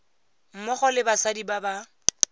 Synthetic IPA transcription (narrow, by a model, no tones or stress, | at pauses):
m̩mʊχɔlɪbasadibaba